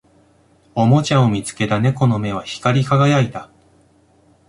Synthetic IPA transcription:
o̞mo̞t͡ɕaomʲit͡sɨ̥ke̞t̪ane̞ko̞no̞me̞β̞açi̥kaɾʲikaɡajait̪a

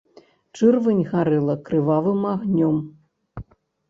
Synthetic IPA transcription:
t͡ʂɨrvɨnʲɣaɾɛlˠɐkɾɨvavɨmaɣnʲɔm

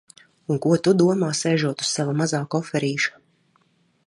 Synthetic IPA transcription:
uŋkuɔt̪ud̪uɔmaːsɛːʒuɔt̪u̥ssavamazaːkɔfɛɾiːʃḁ

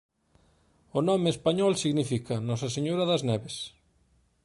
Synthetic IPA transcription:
ʊnɔmeːspaɲɔlsiɣnifikɐnɔsɐseɲoɾaðɐznɛβes

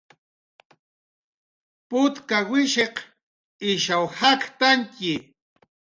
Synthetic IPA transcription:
pʊt̪kawɪʃeq | ɪʃawhakt̪aŋkɪ

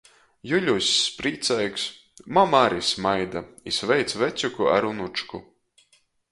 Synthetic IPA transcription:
juʎʲusʲːpɾiːt̪sɛjks | mamaɾismajd̪aisvɛjt̪svɛt̪sʲukua̰ɾunut͡ʃku

